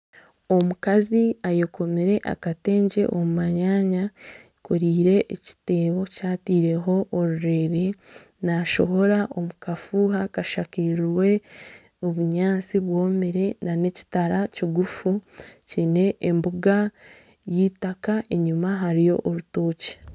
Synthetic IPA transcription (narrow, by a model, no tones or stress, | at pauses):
o̞mukaziajoko̞miɾe̞ʔa̰kate̞ːɲɟe̞̰ʔomumaɲaːɲa | kuɾiːɾe̞ʔːci̥te̞ːβo̞caːtiːɾe̞ɦo̞ʔːɾuɾe̞ɾe̞ | naʃo̞ho̞ɾaʔo̞mukafuɦakaʃakiɾɾwe̞ | oβuɲaːt͡siβwo̞ːmiɾe̞nane̞ci̥taɾaciɡufucine̞ʔːmbuɡa | jiːtakaʔe̞ɲumaɦaɾijo̞̰ʔoɾutoːce̥